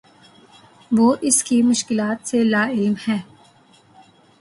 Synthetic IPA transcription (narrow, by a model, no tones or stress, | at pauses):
ʋoːʔɪskimʊʃkɪlaːt̪selaːɪlmhɛ̃ː